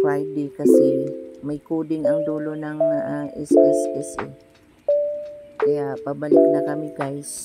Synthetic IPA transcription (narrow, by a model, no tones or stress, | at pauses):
ajd̪ɪkɐsɛmɐjkuːd̪ɪnɐŋd̪uːlo̞nɐŋaʔaʔɛsʔɛsɛsɛ̰ | kɐjapɐɡ̚bɐlɪk̚nɐkɐmɪɡajs